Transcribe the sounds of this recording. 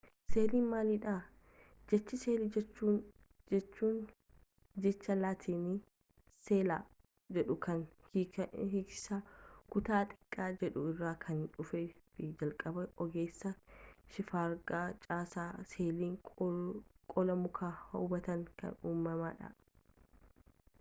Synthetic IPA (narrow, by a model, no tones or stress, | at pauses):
seːliːnmaːliᶑa | d͡ʒɛt͡ʃːɪseːlit͡ʃːuː | ɛt͡ʃːuːn | d͡ʒɛt͡ʃːɐlaːt̪ʰiːni | seːla | d͡ʒɛᶑʊkʰɐn | hɪkɪ̥saːkʊt̪aːt̪ʼɪ̥kʼːaːd͡ʒɛᶑʊɪrːaːkʰɐnᶑʊfefɪd͡ʒɐlkʼɐbɐɔɡeːsːɐʃɪfaːɾɡaːt͡ʃʼaːsaːseːliːŋ | kʼɔlɐmʊkʰaːhɐʊbɐt̪ɐŋkɐ̰nuːmːɐma̰ːᶑɐ̰